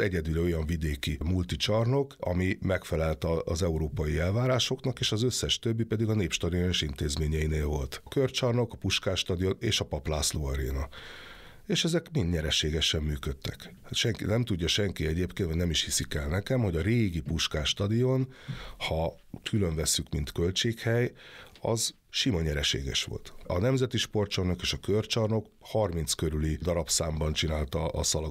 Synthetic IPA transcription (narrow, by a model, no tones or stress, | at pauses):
ɛɟɛd̪ylɛo̞jɒɱvid̪eːkimult̪it͡ʃɒrno̞kɒ̰mimɛkfɛlɛlt̪ɒːzɛuɾoːpɒjiɛlvaːɾaːʃo̞knɒkeːʃɒzøsːɛʃt̪øbːipɛd̪iɡɒneːpʃt̪ɒd̪ionoʃint̪eːzmeːɲɛjineːlvo̞lt̪kørt͡ʃɒrno̞kɒpuʃkaːʃt̪ɒd̪ijo̞neːʃɒpɒplaːsloːɒɾḛːnɒ | eːʃɛzɛkminɲɛɾɛʃeːɡɛʃɛmːyːkøt̪ːɛk̪ | ʃɛŋkinɛmt̪uɟːɒʃɛŋkiɛɟeːpkeːnt̪ʋɒdnɛmiʃhisikɛlnɛkɛmho̞ɟɒɾeːɡipuʃkaːʃt̪ɒd̪ijonhɒ | k̪ʰyløɱvɛsːykmint̪kø̞lt͡ʃeːkhɛjɒ̰z | ʃimɒɲɛɾɛʃḛːɡɛ̰ʃʋo̞̰lt̪ɒ̰nɛmzɛt̪iʃpo̞rt͡ʃornokeːʃɒkørt͡ʃɒrno̞k | hɒrmint̪skøɾylid̪ɒɾɒpsaːmbɒnt͡ʃinaːlt̪ɒʔːsɒlɒ